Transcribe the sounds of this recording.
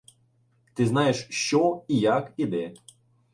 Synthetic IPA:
t̪ɪznɑjeʃʃt͡ʃɔijakid̪ɛ

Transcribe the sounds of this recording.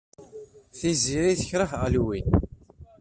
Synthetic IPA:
θiziɾiθə̥çɾəχʁəlwin

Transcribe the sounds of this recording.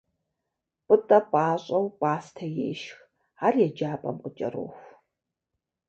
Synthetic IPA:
pʼɨtʼɐpʼaːɕʼɐwpʼaːstʰɐjḛːʃx | arjɛd͡ʒaːpʼɐ̰mqʷʼət͡ʃʼɐ̰ro̰ːxʷ

